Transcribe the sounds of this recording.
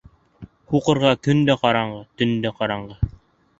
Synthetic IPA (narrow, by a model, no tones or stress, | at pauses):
kuqɤ̆ɾʁɑk̪ɵ̆nd̪æqɑɾɑɴɢɤt̪ɵ̆nd̪æqɑɾɑɴɢɑ